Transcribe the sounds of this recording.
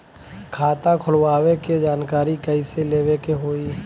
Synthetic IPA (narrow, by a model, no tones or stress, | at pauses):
kʰaːt̪akʰʊlwaːweked͡ʒaːnkaːɾikəiseleːwekeɦoːi